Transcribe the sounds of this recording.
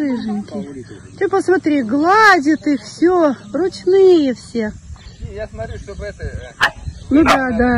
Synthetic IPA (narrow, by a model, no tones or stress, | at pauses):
ɨʐɨnʲkʲɪ | t̪ʲepəsmɐt̪ɾʲiɡlˠadʲɪt̪ɨxfsʲorʊt͡ɕnɨjəfsʲe | nʊd̪ad̪a